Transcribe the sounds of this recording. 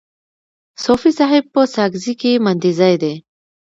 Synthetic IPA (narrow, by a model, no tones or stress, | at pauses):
sofisaɦɪb̚pəsaɡzikemand̪izajd̪e